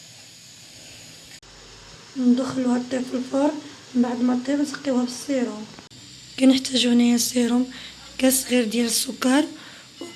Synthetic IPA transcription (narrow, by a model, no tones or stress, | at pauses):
mnd̪ʊxəluhæt̪ˤːifilfɑɾˤ | mbaʕd̪mæt̪ˤːibnsqːiwhæbəsˤiɾhʊm | kænəħt̪æʒunæjæsˤiɾʊm | kæsɣiɾd̪jæləsːʊkːɑɾˤ